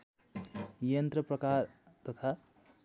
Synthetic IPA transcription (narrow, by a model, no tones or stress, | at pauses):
jʌnt̪ɾʌpɾʌkaɾ | t̪ʌt̪ʰa